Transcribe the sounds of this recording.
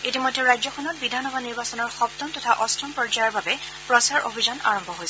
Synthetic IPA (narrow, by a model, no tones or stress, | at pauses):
etimɔjdʱːɛɹajzɔkʰɔnɔt̚bidʱanɔbʱaniɹbasɔnɔɹxɔp̚tɔntɔtʰaʔɔstʰɔnpɹɔd͡ʒajaɹbabɛ | pɹɔsaɹʔo̰bʱizana̰ɹɔmbʱɔɦojsɛ